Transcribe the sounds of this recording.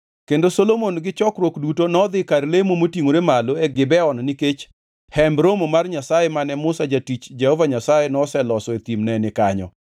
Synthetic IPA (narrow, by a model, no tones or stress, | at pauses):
kendosolomonɡɪt͡ʃɔkɾwokdutonɔd̪ɪkarlemomotiŋoɾemaloɛɡɪbɛɔnniket͡ʃ | hɛmbɾomomarɲasajemanɛmʊsad͡ʒatit͡ʃd͡ʒɛhɔvaɲasajenɔsɛlɔsɔet̪imnɛnɪkaɲɔ̰